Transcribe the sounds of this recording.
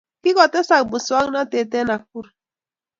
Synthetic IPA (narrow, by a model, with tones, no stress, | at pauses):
ki˦kɔ˨tɛ˦sa˨k̚bu˨swa˦ŋ˦na˦te˨te˦na˨k̚u˦ɾ